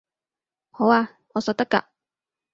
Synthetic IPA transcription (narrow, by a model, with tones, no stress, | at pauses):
ho˨˥waː˧ | ŋɔː˨˧sɔː˧k̚t̪ɐ˥ka̰ː˧˨